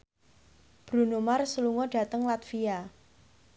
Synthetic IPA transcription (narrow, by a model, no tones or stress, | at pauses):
b̥ɾṳnomarsəluŋɔɖ̥ä̤t̪əŋlat̪fia